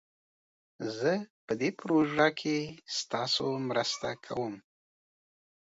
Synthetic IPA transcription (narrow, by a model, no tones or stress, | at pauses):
zəpəd̪epɾoʒɑkʰest̪ɑsomɾəst̪akʰa̰wəm